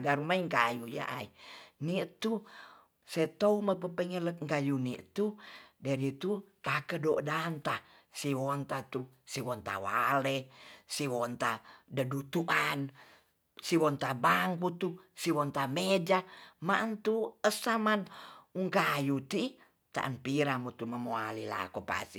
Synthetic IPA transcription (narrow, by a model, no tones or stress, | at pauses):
ɡaɾumaiŋkajuja̰ʔa̰init̪u | set̪ouməpəpəŋelək̚ŋkajuniʔt̪udaɾit̪ut̪akədodant̪a | siwɔnt̪at̪u | siwɔnt̪a̰wa̰lesiwɔnt̪adədut̪uʔan | siwɔnt̪abaŋkut̪usiwɔnt̪amed͡ʒamant̪uəsamanuŋkajut̪i | t̪a̰ʔənpiɾamut̪uməmoalila̰kopa̰si